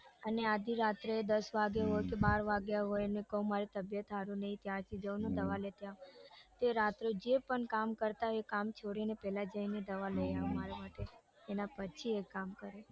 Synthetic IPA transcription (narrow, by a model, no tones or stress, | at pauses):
ənead̪ʱiɾat̪ɾeed̪əsʋaɡjeɦojkebaɾʋaɡjaɦojnekəũmaɾit̪əbjət̪ɦaɾũnəɦĩt̪jaɾt͡ʃʰid͡ʒəwnod̪əʋalet̪jat̪eɾat̪ɾod͡ʒepəɳkamkəɾt̪aekamt͡ʃʰoɽinepɛɦlad͡ʒəined̪əʋaləjaʋmaɾamaʈeː | napət͡ʃʰiekːamkəɾe